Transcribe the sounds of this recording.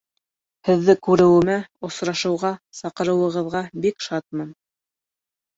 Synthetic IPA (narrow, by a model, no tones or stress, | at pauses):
hɘ̆ðːɘkʉɾɘ̆wɘ̆mæŏsɾɑʃɤ̆wʁɑsɑqɤ̆ɾɤ̆wɤ̆ʁɤ̆ðʁɑbikʃɑt̪̚mɤn